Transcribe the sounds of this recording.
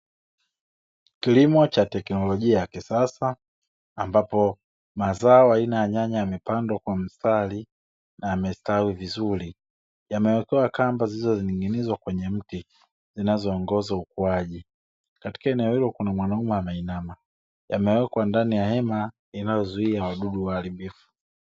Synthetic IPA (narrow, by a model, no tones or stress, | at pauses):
kilimɔt͡ʃatɛknɔlɔʄiajakisasaː | mbapɔ | mazaɔainaaɲaɲajamɛpandwakwam̩stali | naamɛstawivizuli | jamɛwɛkɛwakambazilizɔziniŋɡinizwakwɛɲɛm̩ti | zinazɔːŋɡɔzaukuaʄi | kati̥kaɛnɛɔhilɔkunamwanaumɛamainama | jamɛwɛkwandanijahɛma | inajɔzuiawaɗuɗuwaːlimbifu̥